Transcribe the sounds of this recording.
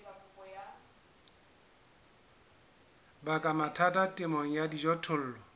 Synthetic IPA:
bakʼamatʰatatʼɪmɔŋ̩jadid͡ʒɔtʰʊl̩ːlɔ

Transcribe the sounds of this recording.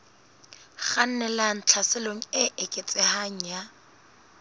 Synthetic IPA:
χan̩nɛlaŋ̩t͡ɬʰasɪloŋ̩ɪʔɪkʼet͡sʼɪhaŋ̩ja

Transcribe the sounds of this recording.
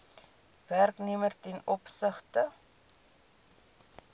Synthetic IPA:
værknemərtɛnɔpsəχtə

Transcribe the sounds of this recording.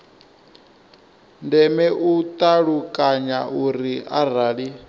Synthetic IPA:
ndɛmɛʔut̪ʼaɺukʼaɲauɾiar̤aːɺi

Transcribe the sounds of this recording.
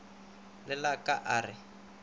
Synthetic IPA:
lɪlakaʔaːrɪ

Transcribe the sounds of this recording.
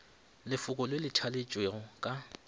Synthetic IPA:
lɪfʊkʼɔlwelɪtʰalɪt͡ʃʼweɣɔkʼa

